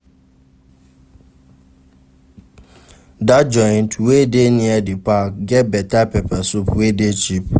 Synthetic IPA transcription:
dad͡ʒɔ̃ɪ̃ntʰwedenĩɛdɪpʰak̚ɡɛbɛtapʰɛpʰɛsupwedet͡ʃʰip̚

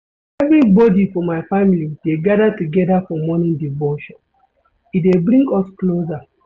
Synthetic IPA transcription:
ɛvɹibɔdifɔmaɪfamilid̥eɡadatuɡɛdafɔmɔnĩndivɔʃɔ̃n | itdebɹĩŋɡɔskloza

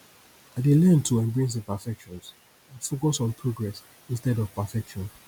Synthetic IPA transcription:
adelɛ̃ntʰuɛ̃mbɹĩsðəpafɛkʃɔ̃nz | fokɔsɔ̃npʰɹoɡɹɛs | ĩnstɛdɔvpafɛkʃɔ̃n

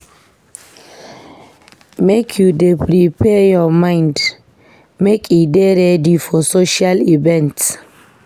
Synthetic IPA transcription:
mekʰjudɛpʰɾipʰɛjɔmaɪnd̪ | mekʰid̪eɾɛdifɔsoʃaliʋɛnt̪

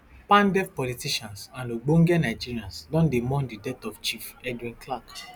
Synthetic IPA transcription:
pãndɛfpɔlitiʃãnsãnoɡ͡bõŋɡɛnajd͡ʒiɾiãnsdɔ̃ndemɔ̃ndidɛtɔft͡ʃifɛdĩnklak

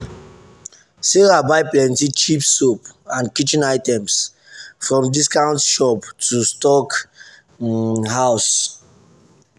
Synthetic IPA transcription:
seɹabaɪplɛ̃ntit͡ʃipsopãnkit͡ʃĩnaɪtɛ̃ms | fɹɔ̃mdiskãʊ̃ntʃɔptʰustɔk | haʊs

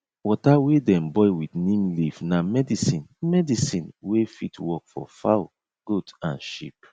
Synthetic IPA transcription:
wɔtawedɛ̃mbɔɪwitnĩmlivnamɛdisĩnmɛdisĩnwefitwɔkfɔ̰fa̰ | ɡ̥otã̰nʃḭp̚

